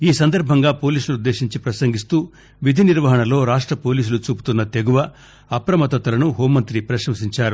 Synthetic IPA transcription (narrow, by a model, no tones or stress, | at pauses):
iːsɐnd̪ɐɾbʱɐŋɡaːpo̞ːliːsulud̪ːe̞ːʃiɲt͡ʃipɾɐsɐŋɡist̪uː | ʋid̪ʱiniɾʋɐɦɐɳɐlo̞ːɾaːʂʈɾɐpo̞ːliːs̬ulut͡ʃuːpu̥t̪unːɐt̪e̞ɡuʋɐ | ɐpɾɐmɐt̪ɐt̪ɐlɐnuɦoːmːɐnt̪ɾipɾɐʃɐmsiɲt͡ʃaːɾu